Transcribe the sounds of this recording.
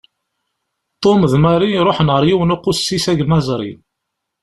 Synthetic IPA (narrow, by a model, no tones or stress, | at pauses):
t̪ˤːomðmæɾiɾˤoħnʁəɾjiwənoqːʊsːisæʝmæzˤɾˤḭ